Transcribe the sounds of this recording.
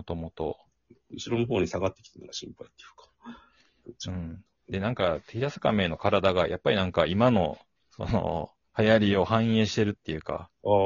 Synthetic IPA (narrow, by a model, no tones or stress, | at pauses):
ot̪o̞mo̞t̪o̞̰ | ɯɕiɾo̞noɦo̞ːɲ̟isaɡat̪ːe̞kʲi̥t̪enoɡaɕĩmpait̪ːe̥jɯ̟̥kḁ | ɯ̟̃ɴ | d̪e̞nãŋkat̪eçid̪asɨ̥kame̞ːno̞kaɾad̪aɡajʔa̰pːaɾʲinãŋkaimano̞ | so̞̰no̰ | hajaɾʲio̞hãɰ̃e̞ːɕi̥t̪eɾɯ̟t̪ːe̞jɯ̟ka̰a